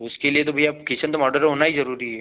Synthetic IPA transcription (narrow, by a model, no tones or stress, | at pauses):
ʊskeliet̪̬obʱaiaːpkit͡ʃənt̪omɔːɾɖəɾɦoːnaɦizɐɾuːɾiɦɛː